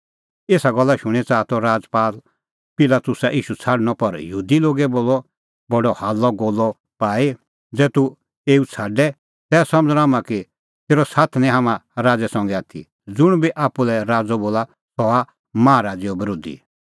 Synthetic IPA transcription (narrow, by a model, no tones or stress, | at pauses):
eːsaɡɔlːaʃʊɽ̃ɛt͡saːt̪ɔɾaːd͡zpaːl | pɪlat̪ʊsaʔiːʃut͡sʰaːɖñɔpɐɾjəɦuːd̪iloːɡɛboːlɔ | bɔɖɔhaːlːɔɡoːlːɔ | paːi | d͡zɛːt̪u | eːut͡sʰaːɖɛ | t̪ɛːsɐ̃məd͡zɾɦaːmãki | t̪eːɾɔsaːt̪ʰnɛ̃ɦaːmãɾaːd͡zɛsɔ̃ŋɡɛaːt̪ʰḭ | d͡zʊɽ̃biʔaːpulɛɾaːd͡zɔboːla | t̪ɔa | mãːɾaːd͡ziɔbɐɾoːd̪ḭ